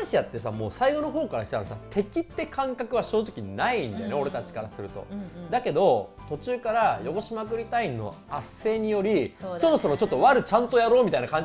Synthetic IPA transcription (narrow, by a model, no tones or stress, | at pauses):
ɕijat̪ːe̞samo̞ːsaiɡo̞no̞ɦo̞ːkaɾaɕi̥t̪aɾasa̰t̪ʰe̞kʲit̪ːe̞kʰãŋkakɯ̟βaɕo̞ːʑikʲinaĩnd̪ajoneo̞ɾe̞t̪at͡ɕi̥kaɾasɨɾɯ̟t̪o̞̰d̪ake̞d̪o̞t̪o̞t͡ɕɨːkaɾajo̞ɡo̞ɕimakɯ̟ɾʲit̪ainːo̞̰ | asːe̞ːɲ̟ijo̞ɾʲiso̞ɾo̞so̞ɾo̞t͡ɕo̞t̪ːo̞βaɾɯ̟t͡ɕãnt̪o̞jaɾo̞ːmʲit̪ainakãɲd͡ʑ